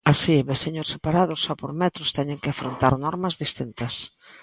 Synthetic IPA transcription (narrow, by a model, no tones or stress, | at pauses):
asiβesiɲosepaɾað̞ʊsːɔpoɾmɛt̪ɾʊst̪ɛɲɪŋkɪafɾont̪aɾnɔɾmɐzðist̪int̪ɐs